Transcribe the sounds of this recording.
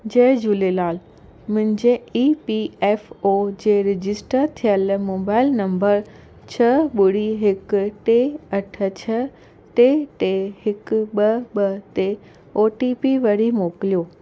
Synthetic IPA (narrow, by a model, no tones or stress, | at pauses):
d͡ʑɐːd͡ʑuːlelaːl | mʊ̃ɦɪ̃ɲd͡ʑeiːpieːfod͡ʑeːɾɪd͡ʑɪsʈəɾt̪ʰijəlmoːbaːɪlnɐ̃mbəɾ | t͡ɕʰɐɓʊɽ̤iɦɪkʈeɐʈʰə̆t͡ɕʰə | ʈeʈeɦɪkɓɐɓət̪e | oːʈipiʋɐɽimoːklijoː